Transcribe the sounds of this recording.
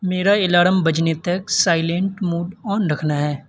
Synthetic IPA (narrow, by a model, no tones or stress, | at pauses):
meːɾaɪlaːɽəmbɐd͡ʒnet̪ɐksaːɪlẽɳʈmuːɖɔːnɾɐkʰnaɦɛː